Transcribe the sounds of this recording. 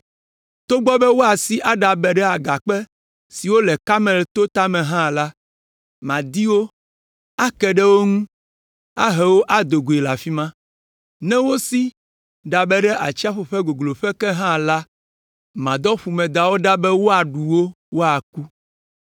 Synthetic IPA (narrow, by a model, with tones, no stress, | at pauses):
t̪o˦ɡ͡bɔ˦bɛ˦wo˦a˨si˦ʔa˦ɖa˨bɛ˨ɖɛ˦a˨ɡa˨k͡pɛ˦ | si˨wo˦lɛ˨ka˦mɛ̃˨lt̪o˦t̪a˦mɛ̃˨ɦã˦la˦ | mã˨d̪i˦wo˦ | a˦kɛ˨ɖɛ˦wo˦ŋũ˦ | a˦ɦɛ˨wo˦ʔa˦d̪o˨ɡu˨e˨la˨fi˦mã˦ | nɛ̃˦wo˦si˦ | ɖa˨bɛ˦ɖɛ˦ʔa˨t͡ʃi˦a˦ɸo˨ɸɛ˦ɡo˨ɡlo˨ɸɛ˦kɛ˦ɦã˦la˦ | mã˨d̪ɔ˦ɸu˨mɛ̃˨d̪a˨wo˦ɖa˦bɛ˦wo˦a˨ɖu˨wo˦ | wo˦a˨ku˦